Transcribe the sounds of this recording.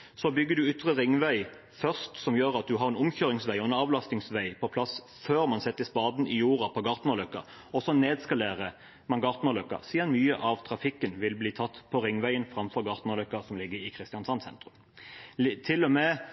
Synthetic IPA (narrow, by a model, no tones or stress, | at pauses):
sɔbʏɡːəd̪ʉʏt̪ʁəʁɪŋːʋæɪ | fœʁst̪sɔmjøːʁɑt̪̚d̪ʉɦɑʁɛnʊmçøːʁɪŋsʋæɪɔɛnɑːʋlɑst̪ɪŋsʋæɪpʰɔpʰlɑs | føːʁmɑnsɛt̪ːəspɑːd̪nɪjuːʁɑpʰɔɡɑːʁt̪nɑlœkːɑ̰ | ɔsɔneːd̪skɑleːʁə | mɑnɡɑːʁt̪nɑlœkːɑ̰siːd̪ənmyːəʔɑʋt̪ʰʁɑfɪkːənʋɪlbliːt̪ʰɑt̪ːpʰɔʁɪŋːʋæɪənfʁɑmfɔʁɡɑʁt̪nɑlœkːɑsɔmlɪɡːəɾɪkʰʁɪst̪ɪjɑnsɑnsɛ̰nt̪ʁʉm | t̪ʰɪlːɔmɛ